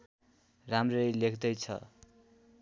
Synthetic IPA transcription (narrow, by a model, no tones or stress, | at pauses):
ramrʌjlekʰd̪ʌjt͡sʰʌ̰